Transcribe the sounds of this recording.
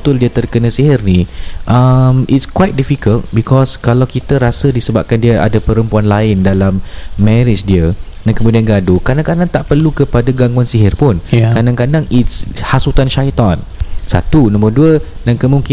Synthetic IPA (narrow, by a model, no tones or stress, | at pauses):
t̪ʊldiət̪ərkənə̃siɦɪrniʔamʔitskwajt̪̚difikəlt̚bikʰɔskalawkit̪əɾasədisəbap̚kandiəʔa̰dapəɾəmpuanlaɪndalamːɛɾɪt͡ʃdiədankəmudianɡadukadãŋkadaŋt̪aʔpərlukəpadaɡaŋɡwansiɦɪrpʊnkadaŋkadaŋitshasut̪anʃait̪ansa̰t̪unɔ̃mərduədankəmũŋki